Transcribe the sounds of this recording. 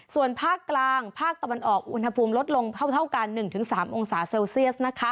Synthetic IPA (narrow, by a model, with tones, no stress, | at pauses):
su˨˩ənpʰaː˥˩kːlaː˧ŋpʰaː˥˩k̚t̪a˧wa˧nʔɔː˨˩k̚ʔṵ˧nha˧pʰuː˧mlo˦˥t̪̚lo˧ŋkʰa˥˩wt̪ʰa˥˩wka˧nːɯ˨˩ŋt̪ʰɯ˩˦ŋsaː˩˦mʔo˧ŋsaː˩˦se˧wsi˥˩ət̪̚na˦˥kʰa˦˥